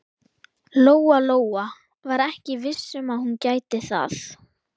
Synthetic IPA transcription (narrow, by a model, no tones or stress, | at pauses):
loːwaloːwa | vaɾɛhcɪvɪsːʏmaðhuncaːjt̪ɪθa̰θ